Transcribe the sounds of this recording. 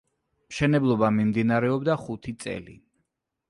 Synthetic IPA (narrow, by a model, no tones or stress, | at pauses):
mʃɛnɛblˠɔbamimd̪inaɾɛɔbd̪aχut̪ʰit̪sʼɛ̰lḭ